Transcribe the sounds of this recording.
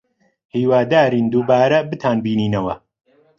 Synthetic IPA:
hiːwaːd̪aːɾiːnd̪uːbaːɾɐbɨt̪ʰaːnbiːniːnɐwɐ

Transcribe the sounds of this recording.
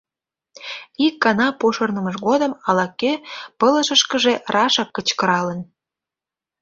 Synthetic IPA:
ikːɑnɑpoʃərnəməʃɣod̪ə̆mɑlɑkːøpələʃə̆ʃkə̆ʒerʔɑʃɑkːət͡ɕkəɾɑlən

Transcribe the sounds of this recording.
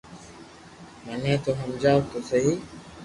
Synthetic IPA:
manẽːt̪oːɦəmd͡ʒaːot̪osəɦiː

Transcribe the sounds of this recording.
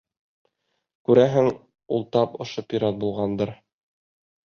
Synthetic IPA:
kʉɾæɦɘŋ | ṵlˠt̪ɑpŏʃopʲiɾat̪̚bulˠʁɑnd̪ɤɾ

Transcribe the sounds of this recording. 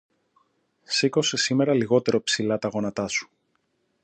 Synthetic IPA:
siko̞se̞sime̞ɾɐliɣo̞t̪e̞ɾo̞psilɐt̪ɐɣo̞nɐt̪ɐsu̥

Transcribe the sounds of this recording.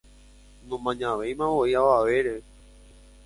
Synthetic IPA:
nõmãɲãʋẽjmãʋoiaʋaʋeɾe

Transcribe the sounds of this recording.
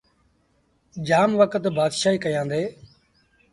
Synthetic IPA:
d͡ʒaːmʋəkət̪baːd̪ʃaːiːkəjãːnd̪eː

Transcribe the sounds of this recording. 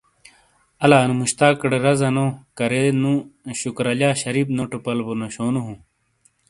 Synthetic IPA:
ɐlaːnumuɕt̪aːkɽeɾɐzɐnokɐɾenũɕukɾɐʎaːɕɐɾiːbnoʈupɐlbonoɕoːnuɦũ

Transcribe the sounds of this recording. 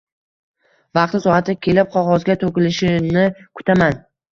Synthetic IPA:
vɑqt̪ɪsɒhat̪ɪkʲʰe̞lɪp̚qʰɒʁɒzɡʲat̪ʰokʲɪlɪʃɪnɪkʰʊ̥t̪ʰaman

